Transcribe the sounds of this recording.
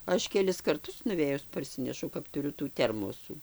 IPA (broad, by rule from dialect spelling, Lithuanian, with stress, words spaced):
ˈɐʃ kʲɛˈlʲɪs kɐrˈtʊs nʊˈʋʲeːjʊs pɐrʲˈsʲɪnʲɛʃɐʊ kɐp tʊˈrʲʊ tuː ˈtʲɛrmoːsuː